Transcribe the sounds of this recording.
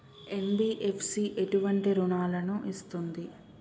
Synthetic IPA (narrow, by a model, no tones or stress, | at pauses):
enbiːʔe̞pʰsiːʔe̞ʈuʋɐɳʈiɾuɳaːlɐnuʔist̪und̪i